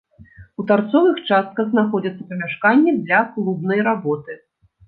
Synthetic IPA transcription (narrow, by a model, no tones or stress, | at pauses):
ut̪art̪sɔvɨxt͡ʂast̪̚kɐɣznaxɔd͡zʲɐt̪sːɐpɐmʲaʂkanʲːɛd̪lʲɐklˠubnɐjɾabɔt̪ɨ